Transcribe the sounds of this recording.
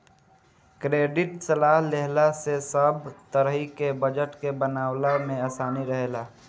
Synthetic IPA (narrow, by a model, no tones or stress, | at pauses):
kɾeːɖɪʈsəlaːɦleɦlasesəbt̪əɾəɦikebəd͡ʒəʈkebənaːwlamẽaːsaːniɾəɦelaː